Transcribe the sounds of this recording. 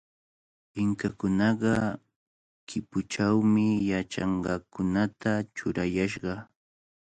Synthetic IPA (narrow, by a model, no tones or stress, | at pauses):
pɪŋkakʊnɑɢɑ | kʰɪpʊt͡ʃawmɪjat͡ʃɑ̰ɴɢɑkʊnat̪at͡ʃʊɾajaʃɢɑ